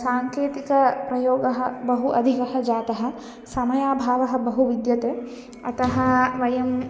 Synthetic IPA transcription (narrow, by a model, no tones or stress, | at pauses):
saːŋkeːt̪ikɐpɾɐjoːɡɐɦɐbɐɦuʔɐd̪ʱikɐɦɐd͡ʒaːt̪ɐɦɐ̆ | sɐmɐjaːbʱaːʋɐɦɐ̆bɐɦuʋid̪jɐt̪eː | ɐt̪ɐɦɐʋɐjɐm